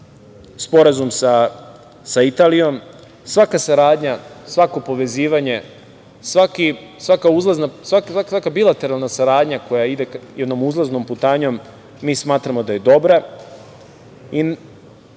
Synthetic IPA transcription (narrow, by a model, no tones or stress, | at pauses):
spo̞ɾazumsa | sait̪alijo̞m | sʋakasaɾaːd̪ɲasʋako̞po̞ʋe̞ziːʋaɲe̞ | sʋakisʋakauzlˠaznasakaksakabilˠat̪e̞ɾalˠnasaɾaːd̪ɲako̞jaid̪ekjed̪no̞muzlˠaznomput̪aːɲo̞mː | iːsmaːt̪ɾamo̞d̪aje̞d̪o̞bɾa | i